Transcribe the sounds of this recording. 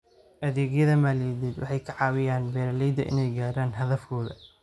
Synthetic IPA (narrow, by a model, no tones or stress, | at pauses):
ʔɐðɛːɣjɐðɐmaːlɛd̪ɛːd̪wʔɑ̰ħɑjkʰɐʕɑːwɪjaːnbɛːɾɐlɛjd̪ɐʔɪ̰nɛjɡaːɾaːnɦɐðɐfkʰɔːðɐ